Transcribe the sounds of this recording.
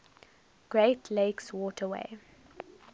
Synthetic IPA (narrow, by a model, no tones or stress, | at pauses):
ɡ̥ɹeɪtʰleɪkswɔːtʰəwḛɪ